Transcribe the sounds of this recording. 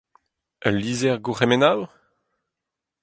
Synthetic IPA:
əlːiːzɛʁɡuχemenaw

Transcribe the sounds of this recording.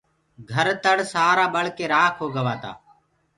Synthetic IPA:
ɡʱəɾt̪əɽsaːɾaːɓəɭkeːɾaːkʰɦoːɡəʋaːt̪a̰ː

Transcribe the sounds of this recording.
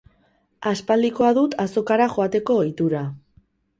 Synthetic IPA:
aspald̪iko̞aðut̪aso̞kaɾaʝo̞at̪e̞ko̞it̪uɾa

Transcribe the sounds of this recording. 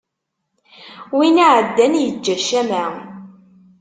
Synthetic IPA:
winiʕəd̪ːænjəd͡ʒːæʃæmæ

